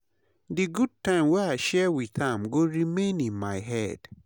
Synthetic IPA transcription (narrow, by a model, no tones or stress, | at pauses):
dɨɡud̚tãɪ̃mwɛaɪʃɛwiðãmɡoɹimẽnĩnmaɪɦɛd̥